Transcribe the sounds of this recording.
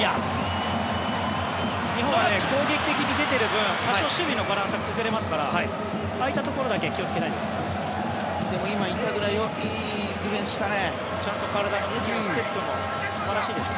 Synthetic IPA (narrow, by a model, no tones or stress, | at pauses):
ja | ɲiɦõeko̞ːɡe̞kʲi̥t̪e̞kʲiɲʲid̪e̞t̪e̞ɾɯ̟bɯ̟̃t̪aɕoɕɨbʲino̞baɾãɰ̃sɨɡakɯ̟zɨɾe̞masɨ̥kaɾahai | ait̪at̪o̞ko̞ɾo̞d̪akekʲio̞t͡sɨ̥ke̞t̪aĩd̪esɨ̥keo | d̪e̞mo̞imait̪ːaɡɯ̟ɾaio̞ | iː | d̪ibẽsɨ̥ɕi̥t̪ane̞ | t͡ɕãnt̪o̞kaɾad̪anok̪okʲiniõst̪epːɯ̟̃mo | sɨbaɾaɕiːd̪e̞sɨne